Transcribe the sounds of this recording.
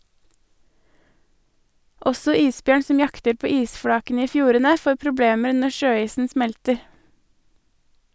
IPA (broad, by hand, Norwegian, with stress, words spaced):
ˈɔsɔ ˈiːsˌbjøːɳ ˈsɔm ˈjɑktəɾ ˈpoː ˈiːsˌfɽɑːkənə ˈiː ˈfjuːɾənə ˈfoː pɾʊˈbleːməɾ ˈnɔ ˈʃøːˌiːsn̩ ˈsmɛltəɾ